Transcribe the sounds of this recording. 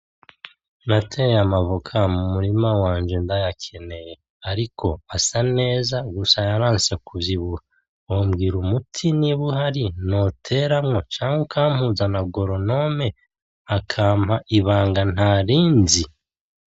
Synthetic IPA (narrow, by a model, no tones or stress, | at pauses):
natʰejamavokʰamumuɾimawaːɲd͡ʒendajakʰe̞ne̞je | aɾikʰo̞asane̞ːzaɡusajaɾaːnsekuvjiβuha | omɡiɾumutʰiniβuɦaɾinotʰe̞ːɾamŋo̞t͡ʃaːŋwukʰaːm̥huːzanaɡo̞ɾo̞no̞me̞ | akʰaːmhaʔiβaːŋɡan̥haːɾiːnzi